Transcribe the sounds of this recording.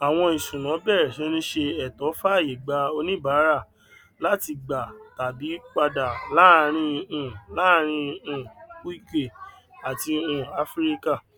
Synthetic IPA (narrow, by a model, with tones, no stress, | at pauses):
a˨w̃ɔ̃˧i˨sũ˨nã˨˦bɛ˦˨ɾɛ˨ʃɛ˨˦nĩ˦ʃe˧ɛ˨tɔ˨˦fa˦˨ji˨ɡ͡ba˧o˧nĩ˦ba˨˦ɾa˦˨ | la˦ti˧ɡ͡ba˨ta˨bi˨˦k͡pa˧da˨la˦˨ɾ̃ĩ˧ũ˦˧˨la˦ɾ̃ĩ˧ũ˧˨˦i˦˨ke˦˨ | a˨ti˧ũ˦˨a˧fɾi˦ka˦˨